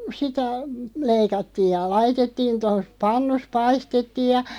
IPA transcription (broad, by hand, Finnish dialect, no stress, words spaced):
sitæ leikɑtːiːj̆ jɑ lɑitetːiːn̞ tos pɑnːus pɑistetːiːj̆ jɑ